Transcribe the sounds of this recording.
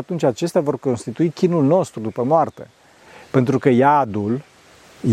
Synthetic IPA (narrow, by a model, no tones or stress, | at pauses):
at̪unt͡ʃʲat͡ʃe̞st̪eavo̞rko̞nst̪it̪uikʲinulno̞st̪ɾud̪upəmoart̪ḛ | pe̞nt̪ɾukəjad̪ul | j